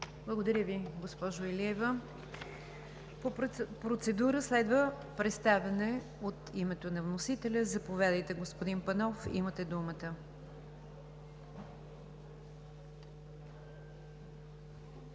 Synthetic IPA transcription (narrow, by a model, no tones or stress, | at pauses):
blˠəɡod̪ɐɾʲəviɡospɔʒoɛliɛvə | popɾot̪sɛd̪uɾəslɛd̪və | pɾɛt̪st̪avʲənɛ | ot̪imɛt̪onɐvnosit̪ɛlʲəzɐpovʲjad̪əjt̪ɛɡospod̪inpɐnɔfḭmət̪ɛd̪umət̪ə